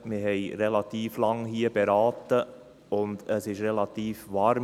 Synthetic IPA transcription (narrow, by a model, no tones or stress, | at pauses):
mɪɦɛɪɾɛlɑt̪iːflɑŋɦiːəbɛɾɑːt̪ːə | ʊnd̪əsɪʃɾɛlɑt̪iːfʋɑːɾm